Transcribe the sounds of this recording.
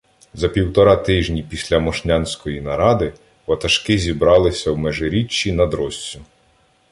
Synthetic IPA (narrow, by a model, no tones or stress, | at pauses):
zɐpʲiwt̪ɔɾɑt̪ɪʒnʲipʲisʲlʲɐmɔʃnʲansʲkɔjinɐɾɑd̪ɪ | ʋɐt̪ɐʃkɪzʲibɾɑlˠɪsʲɐwmɛʒɪɾʲit͡ʃːinɐd̪ɾɔsʲt͡sʲʊ